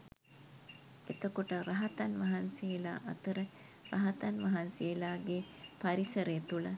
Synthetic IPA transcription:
et̪əkoʈəɾaɦɐt̪anʋɐɦansejela̰ːʔɐt̪əɾə | raɦɐt̪anʋɐɦansejːlaːɡe | paɾisəɾejət̪ulə

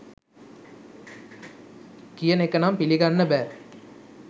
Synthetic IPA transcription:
kijənekːɐnaːmpiliɡanːəbæː

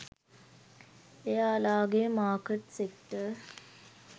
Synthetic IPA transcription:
ejaːlaːɡemaːkəʈsekʈə

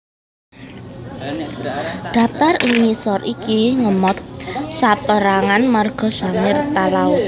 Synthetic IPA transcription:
d̥a̤t̪arimisɔrʔikiŋəmɔt̪̚sapəɾaŋanmarɡ̥ɔ̤z̥a̤ŋɪrt̪alaʊ

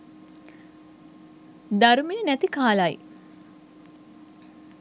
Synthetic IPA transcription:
d̪aɾumejənæt̪ikaːlaj

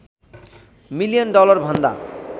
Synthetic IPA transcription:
milijonɖɔlɔɾbʱɔnd̪a̰

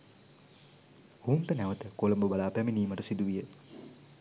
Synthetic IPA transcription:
ouɳʈənæʋət̪əkolɐmbubalaːpæminiːməʈəsid̪uʋijə

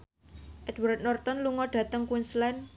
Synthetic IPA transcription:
ʔɛd̪̥wat̪̚nɔrt̪ɔnluŋɔɖ̥a̤t̪əŋkunslɛn

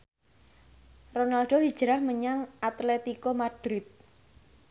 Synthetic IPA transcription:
ronalɖ̥o̤ɦi̥ʒ̥əɾahməɲaŋat̪lɛt̪ikomad̪̥ɾɪt̪̚

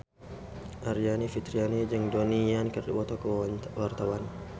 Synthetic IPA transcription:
ʔaɾianifit̪ɾianid͡ʒəŋdɔnijankərdibɔt̪ɔkwart̪awan

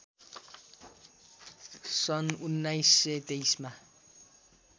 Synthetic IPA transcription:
sɔnunːajset̪ejsma

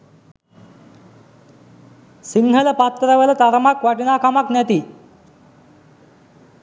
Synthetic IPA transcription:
siŋɡɦələpat̪ːɾəʋəlɐt̪aɾəmakʋaʈinaːkamaknæt̪i

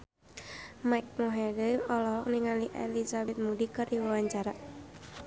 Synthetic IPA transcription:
majk̚moɦɛdiɔlɔɦɔk̚niŋaliʔɛ̰lisabɛt̪̚mudikəriwawaɲt͡ʃaɾa

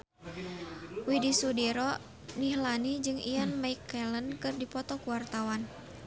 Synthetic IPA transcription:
widisudɛɾɔ | nihlanid͡ʒɨŋianmaikːɛlənkɨrdipɔt̪ɔkuwart̪awan

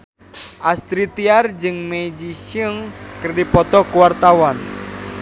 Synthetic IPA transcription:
ʔast̪ɾit̪iard͡ʒɨŋmed͡ʒiʃəŋkərdipɔt̪ɔkuwart̪awan

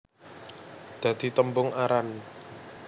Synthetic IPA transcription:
d̪̥ä̤d̪̥i̤t̪əmbʊŋaɾan

